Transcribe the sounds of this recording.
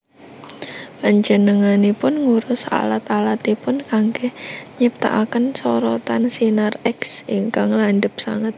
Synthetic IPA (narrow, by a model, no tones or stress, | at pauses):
paɲd͡ʒənəŋanipʊnŋuɾʊsa̰lat̪alat̪ipʊnkaŋɡehɲip̚t̪a̰ʔakənsɔɾɔt̪ansinarɛksiŋkaŋlaɳɖəp̚sa̰ŋət̪̚